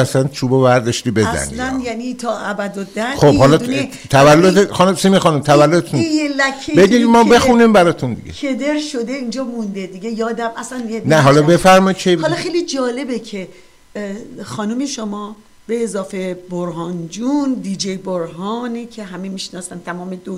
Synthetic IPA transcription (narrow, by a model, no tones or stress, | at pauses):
æsænt͡ʃʰuːbovæɾd̪ɔʃt̪iːbe̞zæ̰nḭlænjænit̪ʰɒːʔæbæd̪od̪æxobhɒlɒ | t̪ʰævælːod̪exɒnumsimixɒːnumt̪ʰævælːod̪et̪ʰunjelækʰːebeɡimɒːbe̞xunimbæɾɒt̪ʰund̪ḭɟeed̪eɾʃod̪eind͡ʒɒːmund̪ed̪iɡejɒːd̪æmʔæslænjenæɦɒlɒbe̞fæɾmɒid̪̚t͡ʃʰebhɒllɒxejlid͡ʒɒːle̞becʰe | xɒːnumeʃomɒː | b̥eːzɒːfeboɾɦɒnd͡ʒund̪id͡ʒejboɾɦɒːnicʰeɦæmemiːʃnɒːsænt̪ʰæmɒːmed̪o